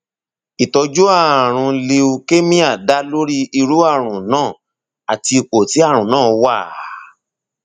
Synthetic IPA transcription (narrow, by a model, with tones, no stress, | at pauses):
i˨tɔ˧d͡ʒu˦a˦˨ɾ̃ũ˧le˧u˧ke˦mĩ˦a˦˨da˨˦lo˦ɾi˦i˧ɾu˦a˦˨ɾ̃ũ˨nãː˦˨ | a˨ti˧i˧k͡po˨ti˨˦a˦˨ɾ̃ũ˨nãː˦˨˧wa˦˨˦